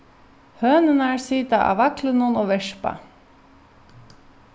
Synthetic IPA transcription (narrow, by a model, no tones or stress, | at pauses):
høːnənæːɹsiːt̪ɑ̰ʔɑ̰ʋɑklənunoːʋɛʂpɑ̰